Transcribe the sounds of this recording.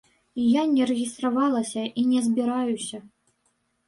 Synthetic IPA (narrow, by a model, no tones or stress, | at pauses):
ijanʲɛrɛɣʲist̪ravɑlˠɐsʲɐʔinʲɛzʲbʲiɾajusʲɐ